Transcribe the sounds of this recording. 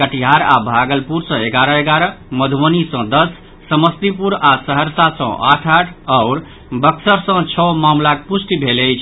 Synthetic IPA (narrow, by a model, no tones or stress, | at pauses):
kəʈiɦaɾa̰bʱaɡəlpuɾsʌ̃eɡaɾəeɡaɾəməd̪ʱənisʌ̃d̪əsː | əməst̪ipuɾasəɦəɾsasə̰̃ʔa̰ʈʰaʈʰaʊɾ | bəksəɾsə̃t͡ʃʰɔmamlak̚pusʈibʱeləjt͡ʃʰ